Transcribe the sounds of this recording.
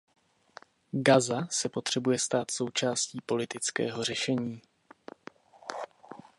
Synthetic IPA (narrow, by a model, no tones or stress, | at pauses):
ɡazasɛpo̞t̪r̝̥ɛbujɛst̪aːt̪so̞wt͡ʃaːsciːpo̞lɪt̪ɪt͡skɛ̰ːɦo̞r̝ɛʃɛɲiː